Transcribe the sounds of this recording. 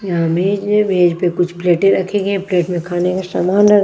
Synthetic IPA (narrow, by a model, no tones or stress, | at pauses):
jɦãmeːd͡ʒmeːd͡ʒpekʊt͡ʃʰpleːʈẽɾɐkʰẽɡɛ̃pleːʈmẽkʰaːnekasaːmaːlɐɡ